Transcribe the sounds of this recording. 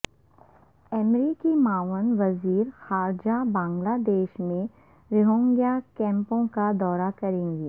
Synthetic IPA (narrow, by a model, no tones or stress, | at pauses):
ɛmɾiːkimaːʋənʋɐziːɾxaːɾd͡ʒabãːŋɡlad̪eːʃmẽ | ɾɪɦõːŋɡjakɛ̃ːmpõkad̪ɔːɾakɐɾẽːŋɡi